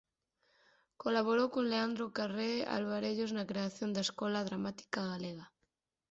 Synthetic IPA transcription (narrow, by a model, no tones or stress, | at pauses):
kolaβ̞oɾowkoŋleand̪ɾokarea̰lβaɾeʎoznakɾeaθjond̪aeskɔlaðɾamat̪i̥kaɣaleɣa